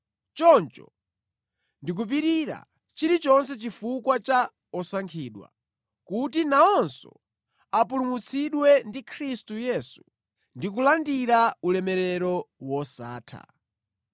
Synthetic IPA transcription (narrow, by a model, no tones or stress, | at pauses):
t͡ʃɔnt͡ʃɔ̰ | ndik̬up̬iɾiɾa̰ | t͡ʃiɾit͡ʃɔns̬ɛt͡ʃifukwat͡ʃa | ɔsaŋkʰiːɗwa̰ | kutinaɔnsɔ̰ | apulumut͡sʰiɗwɛndikʰɾistujɛːsu | ndik̬ulandiɾaulɛmɛɾɛɾɔwɔsa̰ːtʰa̰